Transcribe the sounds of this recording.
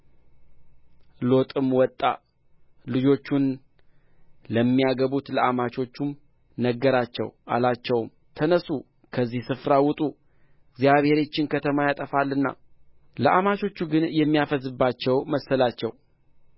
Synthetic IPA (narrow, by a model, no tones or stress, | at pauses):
lo̞t̪ʼɨmwɔt̪ʼːa̰ | lɨd͡ʒo̞t͡ʃːun | ləmːijaɡəβut̪ləamat͡ʃo̞t͡ʃːum | nəɡːəɾat͡ʃːɛ̰wʔa̰lat͡ʃːɛwm | t̪ʰənəsu | kʰəzːihsɨfɾawʊt̪ʼu | ɨɡzijaβhe̞ɾo̞t͡ʃːɪnkʰət̪ʰəmajat̪ʼəfalːɨnːa̰ | ləʔamat͡ʃo̞t͡ʃːuɡɨnjɛmːijafəzɨbːat͡ʃːɛwməsəlat͡ʃːɛ̰w